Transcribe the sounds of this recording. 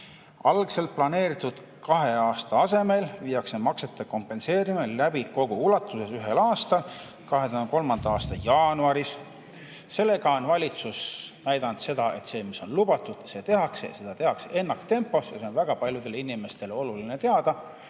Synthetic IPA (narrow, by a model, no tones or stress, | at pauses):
ɑlɡse̞lt̪̚plɑne̞ːɾit̪ːˑud̪̥ | kɑɦe̞ɑːst̪ɑɑse̞me̞lviːjɑksemɑkse̞t̪ːˑeko̞mpˑːe̞nse̞ːɾimelːæbiko̞ɡ̥uulɑt̪ːˑuse̞syɦe̞lɑːst̪ɑl | kɑɦet̪uhɑnko̞lmɑnd̪ɑɑːst̪ɑjɑːnuɑɾis | se̞lːe̞ɡɑonvɑlʲit̪susnæjd̪̥ɑnd̪̥se̞d̪̥ɑe̞t̪se̞ːmiso̞nlub̥ɑt̪ːˑud̪̥se̞t̪e̞ɦɑksḛj̰se̞d̪̥ɑt̪e̞hɑkseenːɑkt̪e̞mpːˑo̞sjɑ̰se̞o̞nvæɡ̥ɑpɑlʲjud̪̥e̞linime̞st̪e̞lo̞luline̞t̪eɑd̪ɑ